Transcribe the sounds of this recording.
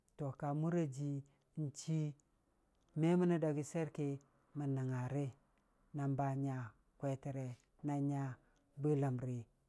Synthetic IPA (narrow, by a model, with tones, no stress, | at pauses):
to˨ka˨mu˦ɾa˦d͡ʒi˨˦ | n̩˨t͡ʃi˦ | me˦mu˦na˦da˨ɡi˦se˦ɾke˦ | mə˨na˨ŋa˨ɾe˦ | na˨mba˦ɲa˨ | kwʷe˦ti˨ɾe˨ | na˦ɲa˦ | bə˦la˨mɾi˨